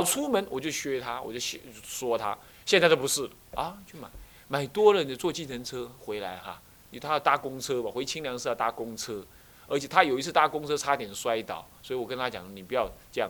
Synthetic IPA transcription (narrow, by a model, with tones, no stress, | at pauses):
ɑ˨˩ʊt͡sʰu˥mə˨˥nwɔ˨˩t͡ɕjo˥˩ʊɕɥɛ˥t̪ʰa˥wɔ̰˨˩t͡ɕo˥˩ʊɕo˥˧swɔ˥t̪ʰa̰˥ | ɕjɛ˥˧nsʰa˥˩ɪto˥˩pu˧˥ʂɻ̩˥˩lə˩ɐ˥˧t͡ɕʰy˥˩ma̰˨˩˦ɪ | ma˨˩ɪt̪wɔ˥ɻə˧˦nd̪ə˧t͡swɔ˥˧t͡ɕi˥˩tʰə˧˥nt͡sʰɤ˥xwe˧˥ɪla˧˥ɪxa̰˧ | no˨˩t̪ʰa˥˧t̪a˥˩kʊ˥ŋt͡sʰɤ˥ma˨xwe˧˥ɪt͡ɕʰi˥ŋljɑ˧˥ŋʂ̩˥˧ja˥˧˩t̪a˥˩kʊ˥ŋt͡sʰɤ˥ | ə˞˧˥t͡ɕʰjɛ˨˩t̪ʰa˥jo˨˩i˥t͡s̩ʰ˥˧˩t̪a˥˩kʊ˥ŋt͡sʰɤ˥ʈ͡ʂʰa˥t̪jɛ˨˩nswa˥ɪt̪ɑ̰˨˩˦ʊswɔ˧˥i˨wɔ˨˩kə˦nt̪ʰa˥t͡ɕjɑ̰˨˦ŋ˧ni˨˩pu˧˩jɑ˥˧ʊt͡ɕɤ˥jɑ̰˥˩ŋ